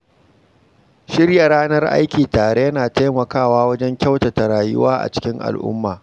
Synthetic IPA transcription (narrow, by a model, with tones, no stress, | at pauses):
ʃɪ˦rja˨ɾaː˦nɐ˦rʔa̰˦jkʲiː˨taː˨ɽe˦jɐ˦naː˨ta˦jmɐ˨kaː˦˨waː˦wɐ˦d͡ʒɛ˦ŋkʲa˦wtɐ˨ta˨ɾaː˨jʊ̰˦waː˦ʔa̰˨t͡ʃɪ̥˦kʲɪ˦ŋʔa̰˨lʔʊ̰˦mːaː˨